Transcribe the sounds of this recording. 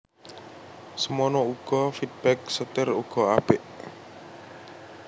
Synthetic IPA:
səmɔnɔuɡ̥ɔfid̪̚b̥ɛk̚sət̪ɪruɡ̥ɔab̥ɪʔ

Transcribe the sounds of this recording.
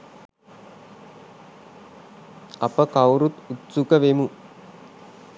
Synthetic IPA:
ɐpɐkɐwɾut̪ut̪sukɐʋemu

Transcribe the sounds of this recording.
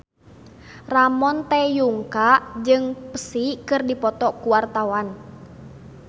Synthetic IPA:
ramɔnt̪ɛjuŋkad͡ʒɨŋpə̥sihkɨrdipɔt̪ɔkuwart̪awan

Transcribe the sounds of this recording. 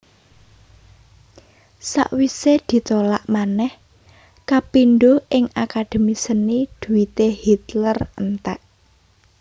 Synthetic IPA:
sa̰ʔwised̪̥i̤t̪ola̰ʔmanɛh | kapinɖoʔɪŋakad̪̥e̤misənid̪̥ṳwit̪ehit̪lərənt̪a̰ʔ

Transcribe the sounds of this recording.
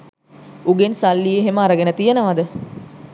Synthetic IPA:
uɡensalːijeɦeməaɾəɡenət̪ijenəʋad̪ə

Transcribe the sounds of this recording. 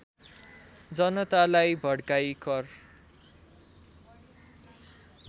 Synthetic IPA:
d͡zʌnʌt̪alajbʱʌɽkajkʌr

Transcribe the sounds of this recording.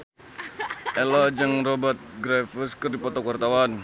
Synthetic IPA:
ʔɛlɔd͡ʒəŋrobət̪̚ɡɾɛfəskɨrdipɔt̪ɔkwart̪awan

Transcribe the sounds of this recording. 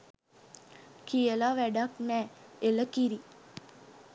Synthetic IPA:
kijəlaʋæɖaknɛːeləkiɾi

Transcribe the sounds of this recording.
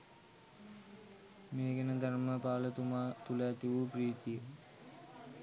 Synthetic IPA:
meːɡɛnəd̪anməpaːlət̪umaːt̪ulaːt̪iʋupriːt̪ijə

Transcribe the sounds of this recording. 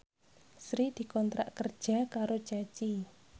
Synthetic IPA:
sɾid̪̥i̤kɔnt̪ɾa̰ʔkərd̥ʒ̥a̤kaɾot͡ʃat͡ʃi

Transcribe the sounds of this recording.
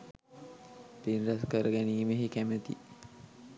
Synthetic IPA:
p̪enraskəɾəɡæniːmeɦikæmət̪ḭ

